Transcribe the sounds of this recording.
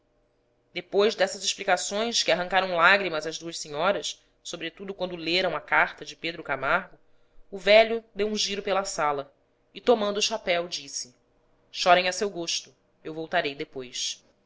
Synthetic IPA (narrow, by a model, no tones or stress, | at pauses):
d̪epojzd̪ɛsɐzɪʃplikasõj̃skɪaɦɐ̃ŋkaɾɐ̃w̃laɡɾimɐzɐzd̪uɐʃsẽɲɔɾɐs | sobɾet̪ud̪ʊkwɐ̃nd̪ʊleɾɐ̃w̃ɐkaɾt̪ɐd͡ʒɪped̪ɾʊkamaɾɡʊː | vɛʎʊd̪ewũʒiɾʊpelɐsalɐ | ɪt̪omɐ̃nd̪ʊːʃapɛwd͡ʒisɪ | ʃɔɾẽj̃ɐsewɡoʃt̪ʊ | ewvowt̪aɾejd̪epojs